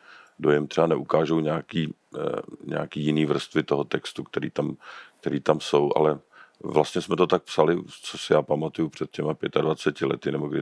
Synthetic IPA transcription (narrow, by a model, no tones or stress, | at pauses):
dojɛmt̪r̥ɛanɛʔukaːʒowɲaːkiː | ɲɛ̰akiːjɪniːvr̩st̪vɪt̪oɦot̪ɛkst̪ukt̪ɛɾiːt̪amk̚t̪ɛɾiːt̪amso̞wʔa̰lɛ | vlast̪ɲɛsmɛt̪o̞t̪ak̚psalɪt͡sosɪjaːpamat̪ujupr̝̥ɛt̪̚cɛmapjɛt̪advat͡sɛcɪlɛ̰t̪ɪnɛbo̞ɡdɪ